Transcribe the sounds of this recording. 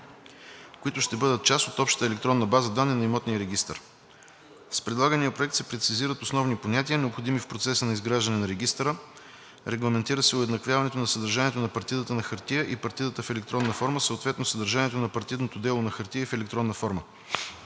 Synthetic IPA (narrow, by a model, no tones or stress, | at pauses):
koit̪ʊʃt̪ɛbɤd̪ət̪̚t͡ʃast̪ot̪ɔpʃt̪ə̥t̪əɛlɛkt̪ɾɔnːəbazəd̪anːinɐimɔt̪nijəɾɛɡʲist̪ə̰ɾ | spɾɛd̪lˠaɡənijəpɾoɛk̚t̪sɛpɾɛt̪siziɾət̪osnɔvniponʲat̪iənɛopxod̪imifpɾot̪sɛsənɐizɡɾaʒd̪ɐnɛnɐɾɛɡʲist̪ɾə | ɾɛɡlˠɐmɛnt̪iɾəsɛʊɛd̪nɐkvʲjavɐnɛt̪onɐsəd̪əɾʒaniɛt̪onɐpɐɾt̪id̪ət̪ənɐxɐɾt̪ijəʔipɐɾt̪id̪ət̪əfɛlɛkt̪ɾɔnːəfɔɾməsəot̪vɛt̪nosəd̪əɾʒaniɛt̪onɐpɐɾt̪id̪not̪od̪ɛlˠonɐxəɾt̪ijəfɛlɛk̚t̪ɾɔnːəfɔɾmə